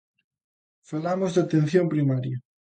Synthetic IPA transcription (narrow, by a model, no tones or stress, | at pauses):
falamozðat̪ẽn̟θjompɾimaɾja